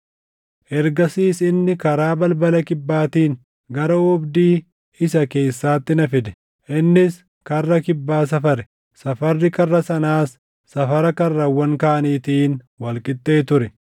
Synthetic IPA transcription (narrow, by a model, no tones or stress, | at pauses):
ʔɛɾɡɐsiːsɪnːɪkɐɾaːbɐlbɐlɐkɪbːaːt̪iːn | ɡɐɾɐɔbd̪iː | ɪsɐke̞ːsːaːt̪ːɪnɐfɪd̪ɛ̥ | ʔɪnːɪs | kɐrːɐkɪbːaːs̬ɐfɐɾɛ̥ | sɐfɐrːɪkɐrːɐsɐnaːsː | ɐfɐɾɐkɐrːɐwːɐŋkaːʔɐniːt̪iːn | wɐlkʼɪt̪ʼːe̞ːt̪ʊɾɛ